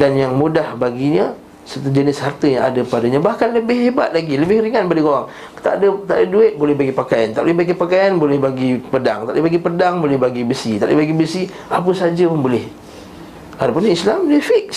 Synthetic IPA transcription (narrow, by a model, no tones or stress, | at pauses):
danjaŋmudahbaɡiɲa | sət̪ud͡ʒənɪshart̪əjaŋadəpadaɲabahkanləbɪhɦebat̪̚laɡiləbɪhriŋanbadikoɾaŋ | t̪a̰dət̪aʔdəduɪt̪̚bolɛhbaɡipakajant̪a̰ʔo̰lɛhbaɡipakajanbolɛhbaɡipədaŋt̪aʔdəbaɡipədaŋbolɛhbaɡibəsit̪aʔdəbaɡibəsi | ap̬əsad͡ʒəpənbolɛh | adapʊnɲaislamdifɪk̚